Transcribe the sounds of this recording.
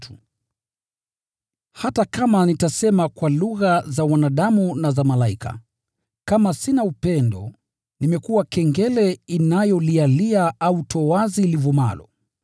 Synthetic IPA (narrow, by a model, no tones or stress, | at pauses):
tu̥ | hatakamanitasɛmakwaluɣazawanaɗamunazamalaikʰa̰ | kamasinaupɛndɔ̰ | nimɛkuwakɛŋɡɛlɛinajɔlialiaʔautɔwazilivɔma̰lɔ̰